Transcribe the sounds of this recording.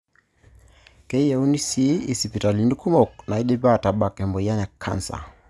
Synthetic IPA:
kɛiaunisiisipitalinukumɔk̚naiɗɛbataɓakɛmbɔjaɲakʰa̰nsa̰

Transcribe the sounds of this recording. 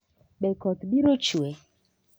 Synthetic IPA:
ɓɛkɔt̪ɓiɾot͡ʃuɛ

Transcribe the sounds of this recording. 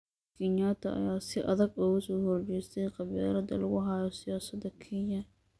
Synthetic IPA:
kʰiɲjaːt̪ʰɐ̰ʔɐ̰jaːsɪʔɐ̰ðɐɡɔɣʊsɔːhɔrt͡ʃɛjst̪ʰɛjqɑβɛːlɐd̪ɐ̰lɐɣʊɦaːjɔsɪjaːsɐd̪ɐkʰiːɲɐ

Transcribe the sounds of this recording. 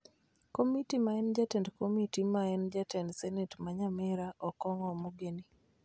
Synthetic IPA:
komitimaɛnd͡ʒatɛndkomitimaɛnd͡ʒatɛndsɛnɛtmaɲamɪɾaʔɔkɔŋɔmoɡeni

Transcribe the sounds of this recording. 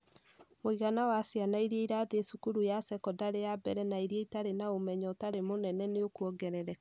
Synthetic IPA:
moiɣanawasjanaiɾeiɾaðesukuɾujasɛkɔdaɾejabɛɾɛnaiɾieitaɾenaomɛɲɔtaɾemonɛnɛneokuɔɡɛɾɛɾɛ

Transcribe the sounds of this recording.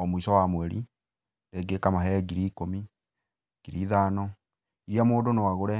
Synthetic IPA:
ɔmoisɔwamwɛɾḭ | ɾeɡekamaɦɛɡiɾiːkomi | ɡ̥iɾiːðaːnɔ | iɾiamoːdonowaɣoɾɛ

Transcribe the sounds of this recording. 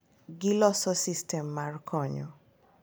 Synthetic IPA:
ɡilɔsɔsistʰɛmːarkʰɔɲɔ̰

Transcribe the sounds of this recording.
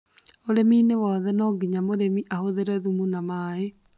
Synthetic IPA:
oɾeminewɔðɛnɔɡiɲamoɾemiʔahoðeɾɛðumunamaːe

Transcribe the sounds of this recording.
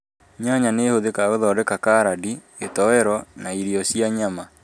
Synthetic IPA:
ɲaɲanehoðekaweðɔdɛkakaɾadi | etɔwɛɾɔnaiɾiɔsjaɲama

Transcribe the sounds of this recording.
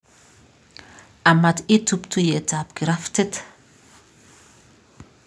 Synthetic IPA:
amat̪et̪upt̪ujetap̚ɡɾaft̪et̪

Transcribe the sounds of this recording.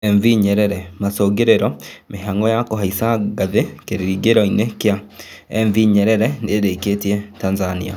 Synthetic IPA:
ɛɱviɲɛɾɛɾɛmasoːɡeɾeɾɔmeɦaŋɡɔjakoɦaisaɡaðekeɾiɾiɡeɾɔinekea | ɛɱviɲɛɾɛɾɛneɾeketiɛtanzanḭa̰

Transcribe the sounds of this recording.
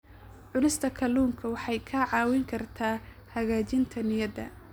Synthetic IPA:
ʕʊnɪst̪ʰɐkʰɐluːŋkʰɐwɑħɑjkʰɐʕɑːwɪŋkʰɐrt̪ʰaː | hɐɣaːt͡ʃɪnt̪ʰɐnɪjɐd̪ɐ̰

